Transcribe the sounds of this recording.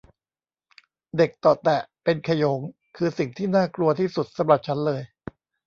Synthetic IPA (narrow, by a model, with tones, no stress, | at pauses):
de˨˩k̚t̪ɔː˨˩t̪ɛ˨˩pe˧nkʰa˧jo˩˦ŋ | kʰɯː˧si˨˩ŋt̪ʰiː˥˩naː˥˩klu˧ɐt̪ʰiː˥˩su˨˩t̪̚sa˨˦mɾa˨˩p̚t͡ɕʰa˦˥nlɤː˧j